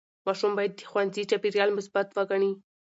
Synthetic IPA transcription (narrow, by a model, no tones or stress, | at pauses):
mɑʃumbɑjad̪ːəxwandzit͡ʃɑpiɾjɑlmʊsbat̪wəɡaɳi